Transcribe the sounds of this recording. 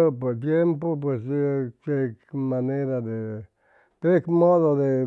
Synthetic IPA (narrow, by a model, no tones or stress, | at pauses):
opot̪̬jempop̬weskɾekmaneɾaðe | kɾekmoðoðe